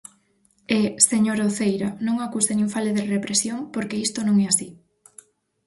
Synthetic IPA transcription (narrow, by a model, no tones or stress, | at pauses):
eseɲoɾoθejɾanõŋakusenĩŋfaleðerepɾesjoŋpoɾkeist̪onõŋɛasi